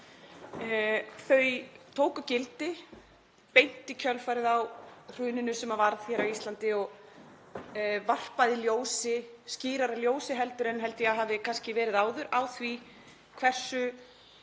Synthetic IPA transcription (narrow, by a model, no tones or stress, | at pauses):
θœɥt̪ʰoːwkʏcɪlt̪ɪ | pejn̥t̪ɪcʰœlfajɾɪðawr̥ʏːnɪnʏsɛmavaɾðθjɛːɾawist̪lant̪ɪɔɣ | var̥paðɪljoːwsɪ | sciːɾaɾaljoːwsɪɦɛlt̪ʏɾɛnɦɛl̪t̪ɪjaɦaːvðɪkʰanscɪvɛːɾɪðaːwðʏɾaːwθvi | kʰv̥ɛr̥sʏ